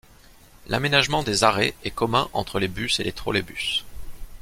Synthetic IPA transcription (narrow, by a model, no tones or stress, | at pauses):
la̰menaʒmɑ̃d̪ezaʁɛɛkɔmɛ̃ʔɑ̰̃t̪χəlebyselʔet̪χo̰lebys